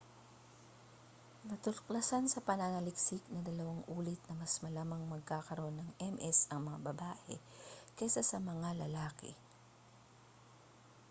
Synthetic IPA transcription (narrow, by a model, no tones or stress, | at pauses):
nɐt̪ʊɾklɐsansɐpɐnanɐlɪksɪknɐd̪ɐlɐwaŋʔuːlɪt̪̚nɐmɐsmɐlaːmɐŋmɐɡ̚kaːkɐɾo̞nːɐŋʔɛmʔɛsɐŋmɐŋabɐbaːʔɛ̰kɛsasɐmɐŋalɐlaːkɛ̰